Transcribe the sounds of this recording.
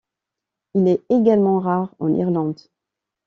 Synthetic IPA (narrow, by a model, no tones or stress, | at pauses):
ilɛeɡalmɑ̃ʁaʁɑ̰̃nʔḭʁlɑ̃d̪